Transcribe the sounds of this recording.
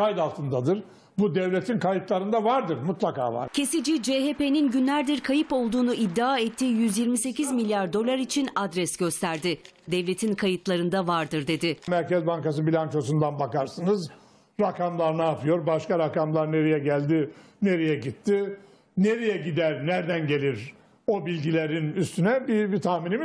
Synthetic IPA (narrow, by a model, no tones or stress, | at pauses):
kajd̪alˠt̪ʰɯnd̪ad̪ɯɾ | bud̪ɛvlʲet̪ʰinkʰajɯt̪lˠaɾɯnd̪avaɾd̪ɯɾmut̪lˠaka̰ːva̰ɾcʰe̞sid͡ʒid͡ʒeɦepe̞ninɟynlʲæɾd̪iɾkʰajɯpo̞lˠd̪uːnuid̪ːiaːɛt̪ʰːiːjyzjiɾmise̞cizmilʲjaɾd̪o̞lˠaɾit͡ʃʰinad̪ɾɛsɟ̥ø̞st̪ʰæɾd̪ɪ | d̪ɛvlʲe̞t̪ʰinkʰajɯt̪ʰlˠaɾɯnd̪avaɾd̪ɯɾd̪e̞d̪ɪmæɾcɛzbaŋkas̬ɯbilʲant͡ʃosund̪anbakaɾsɯnɯz | ɾakʰamlˠaɾnaːpɯjo̞ɾbaʃkaɾakamlˠaɾne̞ɾijɛɟælʲd̪ɪ | ne̞ɾijɛɟit̪ʰːɪ | neɾijɛɟid̪æɾnæɾd̪ænɟe̞lʲiɾ | o̞bilʲɟilʲeɾinyst̪ʰynɛbibit̪ʰahminim